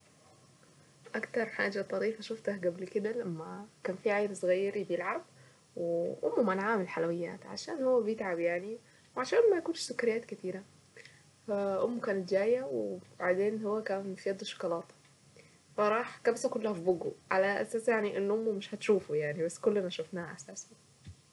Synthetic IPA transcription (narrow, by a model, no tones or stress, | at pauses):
ʔækt̪ɑɾˤħa̰ːd͡ʒat̪ˤɑɾiːfæʃʊft̪ahɡæblkɪd̪ælæmːækæːnfiʕajɾsˤɣæjːɑɾibjelʕab̚ | weʔʊ̰mːmænʕaːmɪlħalawɪjːæ̰ːt̪ʕa̰ʃæ̰ːnhowːæbjɪt̪ʕabjaʕni | wʕaʃæːnmæjkuːnʃsʊkæɾɪjːæːt̪kɪt̪iːɾæ | fæʔʊmːkæːnɪt̪d͡ʒæːjæweb̥aʕd̪eːnhowːækæːnfijɑd̪ˤːʃɑ̥kːɑlɑːt̪ | fɑɾˤɑːħkæbsækolːæhæfiboɡoʕalæʔæ̰sæːsjaʕniʔɪnːʔʊmːmɪʃhæt̪ʃuːfujaʕnibæsːkolːmæʃofnæhæʔæsæːsæ